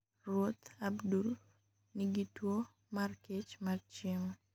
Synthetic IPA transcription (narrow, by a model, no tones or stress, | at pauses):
rwot̪abdul | niɡitwo | market͡ʃmart͡ʃɪŋ